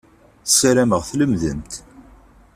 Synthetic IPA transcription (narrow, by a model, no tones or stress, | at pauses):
θəsæɾæməʁθləmðə̰mt̪